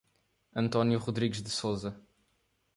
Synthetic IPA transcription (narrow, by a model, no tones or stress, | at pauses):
ɐ̃nt̪ɔnjuʁuðɾiɣʒðɨsozɐ